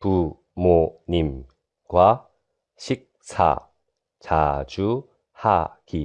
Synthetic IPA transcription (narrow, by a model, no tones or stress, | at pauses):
pu | monim | ɡwa | ɕʰik̚sʰa̰ | t͡ɕad͡ʑu | haki